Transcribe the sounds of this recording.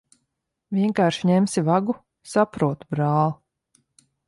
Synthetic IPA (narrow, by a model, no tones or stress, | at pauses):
vʲiɛŋkaːɾʃiɲɛmsivaɡu | sapɾuɔt̪bɾɑːlˠu